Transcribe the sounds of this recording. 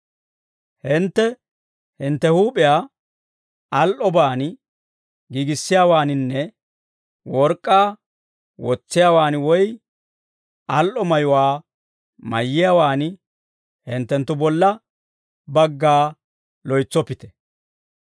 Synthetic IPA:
hɪnt̪ːɛ | hɪnt̪ːɛhuːpʼɪjaː | ɐlʔɔbaːn | ɡiːɡɪsːɪjaːwaːnɪnːɛ | wɔɾkʼːaː | wɔt͡sːɪjaːwaːnwɔj | ɐlʔɔmɐjʊwaː | mɐjːɪjaːwaːnɪ | hɪnt̪ːɛnt̪ːʊbɔlːɐ | bɐɡːaː | lɔjt͡sːɔpːɪt̪ɛ̥

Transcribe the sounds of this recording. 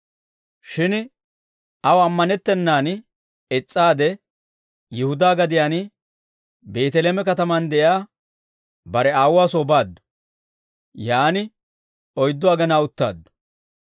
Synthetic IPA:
ʃɪn | ɐwɐmːɐnɛt̪ːɛnːaːn | ɛt͡sʼːaːd̪ɛ | jɪhʊd̪aːɡɐd̪ɪjaːn | beːt̪ɛleːmɛkɐt̪ɐmɐnd̪ɛʔjaː | bɐɾɛaːwaːsoːbaːd̪ːʊ̥ | jaːnɪ | ɔjd̪ːɔɐɡɐnaːʊt̪ːa̰ːd̪ːʊ̥

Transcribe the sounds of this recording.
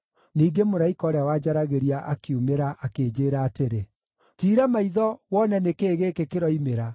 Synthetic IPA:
niːɡemoɾaikɔɾawad͡ʒaɾaɣeɾiaʔakiumeɾaʔakeːd͡ʒeːɾaːteɾe | tiːɾamaiðɔwɔnɛnekeːɣeːkekeɾɔimeɾa

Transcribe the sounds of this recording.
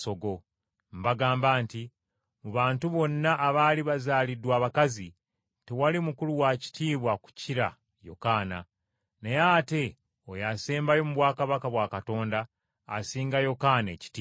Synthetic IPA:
so̞ɡo̞ | mbaɡaːmbaːnti | muβaːntuβo̞nːaʔːβaːliβazaːlidwaːβakazi | tewalimukuluwaci̥tiːβwaku̥ciɾa̰ | jo̞̰kaːna̰ | nejate̞ | ojaseːmbajo̞muβwaːkaβakaβwakato̞ːndaː | siːŋɡajo̞kane̞̰ːci̥tiː

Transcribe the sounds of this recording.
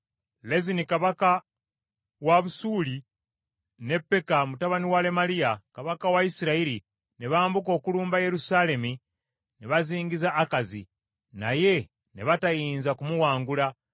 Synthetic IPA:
lezinikaβaka | waβusuːli | ne̞pːe̞kamutaβaniwale̞malijakaβakawaisiɾaiɾi | neβaːmbuko̞ːkuluːmbaje̞ɾusale̞mi | neβaziːŋɡizaʔːkazḭ | na̰je̞ | neβatajiːnzakumuwaːŋɡula

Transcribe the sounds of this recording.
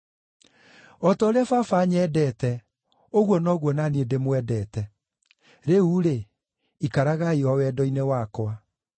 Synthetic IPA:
ɔtaoɾeafafaɲɛdɛtɛ | oɣwɔnɔɣwɔnaniedemwɛdɛːtɛ | ɾeuɾe | ikaɾaɣaiɔwɛːdɔinewaːkwa

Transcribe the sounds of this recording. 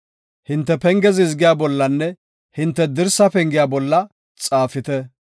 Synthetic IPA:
hɪnt̪ːɛpɛŋɡɛzɪzɡɪjaːbɔlːɐnːɛ | hɪnt̪ːɛd̪ɪɾsɐpɛŋɡɪjaːbɔlːɐ | t͡sʼaːfɪt̪ɛ

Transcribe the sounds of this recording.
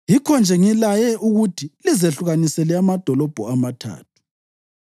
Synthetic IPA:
jikʰɔnd͡ʒʱɛŋilajɛʔuɣutʰilizeɬuɣanisɛlɛamad̥ʱɔlɔb̥ʱuamatʰa̰ːt̚ʰu̥

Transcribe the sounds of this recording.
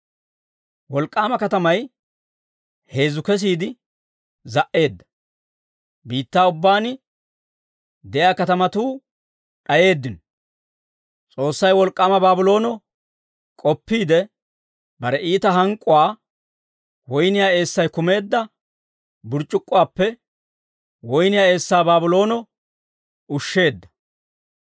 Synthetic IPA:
wɔlkʼːaːmɐkɐt̪ɐmɐj | he̞ːzʊkɛs̬iːd̪ɪ | zɐʔe̞ːd̪ːɐ̥ | biːt̪ːaːʊbːaːnɪ | d̪ɛjaːkɐt̪ɐmɐt̪uː | ɗɐje̞ːd̪ːɪnɔ | t͡sʼo̞ːsːɐjwɔlkʼːaːmɐbaːbʊlo̞ːnɔ | kʼɔpːiːd̪ɛ | bɐɾɛiːt̪ɐɦɐŋkʼːʊwaː | wɔjnɪjaːe̞ːsːɐjkʊme̞ːd̪ːɐ | bʊɾt͡ʃʼːʊkʼːʊwaːpːɛ | wɔjnɪjaːe̞ːsːaːbaːbʊlo̞ːnɔ | ʊʃːe̞ːd̪ːɐ̥

